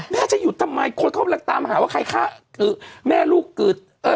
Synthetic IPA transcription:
mɛː˥˩t͡ɕa˨˩ʔjuː˨˩t̪ʰa˧mːa˧jkʰo˧nkʰa˥˩pla˨˦˩t̪aː˧mɦaː˩˦waː˥˩kʰa˧jkʰaː˥˩ʔɯː˨˩mɛː˥˩luː˥˩kːɯː˨˩t̪̚ | ʔɤː˧˩

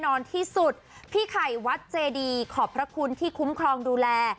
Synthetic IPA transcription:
nɔː˧nt̪ʰiː˥˩su˨˩t̪̚pʰiː˥˩kʰa˨˩jwa˦˥t̪̚t͡ɕeː˧diː˧kʰɔː˨˩˦pʰɾa˦˥kʰu˧nt̪ʰiː˥˩kʰu˦˥mkʰɾɔː˧ŋduː˧lɛː˧

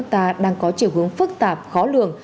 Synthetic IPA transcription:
k̚t̪aː˧ɗaː˧ŋkɔ˨˦t͡ɕi˧˩wɦɨ˨˦əŋfɨ˦˥k̚t̪aː˨˩p̚xɔ˨˦lɨ̰˧˨əŋ

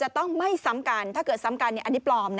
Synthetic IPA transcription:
t͡ɕa˨˩t̪ɔ˥˩ŋma˥˩jsa˨˩˦mka˧nt̪ʰaː˥˩kɤː˨˩t̪̚sa˨˦mka˧nː˧˥˩ʔa˧nːi˦˥plɔː˧mn˦

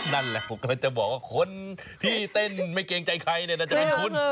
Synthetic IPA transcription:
na˥˩nlɛ˨˩ʔu˨˩k̚naː˧˩t͡ɕa˨˩ʔbɔː˨˩k̚waː˥˩kʰo˧˥nt̪ʰiː˥˩t̪e˥˩nma˥˩jkeː˧ŋt͡ɕa˧jkʰa˧jni˥˩na˥˩t͡ɕa˩˨˩pe˧nkʰo˧˥˨n

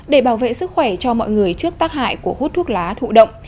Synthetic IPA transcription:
ɗe˧˩ɓaː˧˩wvḛ˧˨sɨ˦˥k̚xwɛ˧˩t͡ɕɔ˧mɔ̰˧˨jŋɨ˨˩əjt͡ɕɨ˦˥ək̚t̪aː˦˥k̚ha̰ː˧˨jku˧˩əhu˦˥t̚t̪ʰu˦˥ək̚laː˨˦t̪ʰṵ˧˨ɗə̰˧˨wŋ͡m

